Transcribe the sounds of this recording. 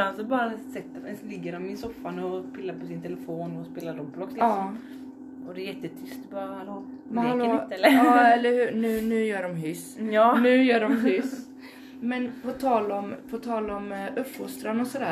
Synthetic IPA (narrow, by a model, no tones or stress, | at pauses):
ansɔbɑːɾaɛsɛt̪ːəɛnslɪɡːəɾɔmmɪnsɔfːanɔpʰɪlːaɾpʰɔsɪnt̪ʰɛlɛfoːnɔspeːlaɾdɔblɔkːslksːɔm | ɔd̪ɛːjɛt̪ːət̪ʰʏst̪̚bɑːɾahaloː | mhaloːlɑːɛlːəɾhʉːnʉ̟ːnʉ̟ːjœːɖɔmɦʏsnʉ̟ːjœːɖɔmɦʏs | mɛnpʰɔt̪ʰɑːlɔmpʰɔt̪ʰɑːlɔmʔœpfʊst̪ɾanɔsɔd̪æː